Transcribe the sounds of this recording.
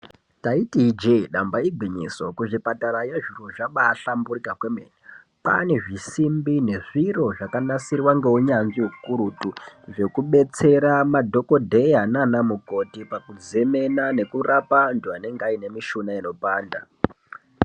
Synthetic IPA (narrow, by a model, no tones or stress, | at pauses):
taitid͡ʒeɗambaiɡʱwiɲḭso̞kuʐipataɾajeʐiroʐaɓaːɬamburikakwemeːni | pa̰ne̞ʐisimbine̞ʐiro̞ʐakanasirwaŋɡe̞uɲanʐiukuɾutuʐe̞kuɓe̞t͡se̞ɾamadʱo̞ko̞dʱeiɦananamuko̞tipakud͡zeme̞nane̞kurapanduane̞ŋɡaine̞miʃunaino̞paːnda